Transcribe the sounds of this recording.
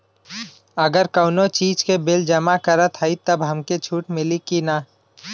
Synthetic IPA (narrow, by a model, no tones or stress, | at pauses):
əɡəɾkəʊnot͡ʃiːd͡ʒkebeld͡ʒəmakəɾət̪ʰɦəit̪əbɦəmket͡ʃʰuːʈmɪlikina